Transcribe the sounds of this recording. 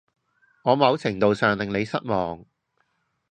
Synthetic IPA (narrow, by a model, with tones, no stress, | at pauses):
ŋɔː˨˧mɐ˨˧wt͡sʰɪ˨˩ŋt̪o˨wsœː˨ŋlɪ˨ŋne˨˧jsɐ̰˥t̚mɔː˨ŋ